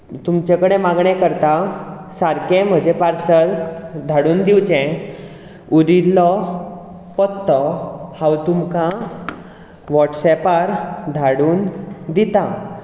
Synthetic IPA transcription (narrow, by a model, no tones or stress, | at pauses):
t̪umt͡ɕekəɽemaɡɳẽkəɾt̪a | saɾkẽm̤əd͡ʑepaɾsəld̪ʱaɽuːnd̪iwt͡ɕɛ̃ | uɾilːɔ | pɔt̪ːɔhãwt̪umkã | ʋɔʈsɛpaɾd̪ʱaɽuːnd̪it̪a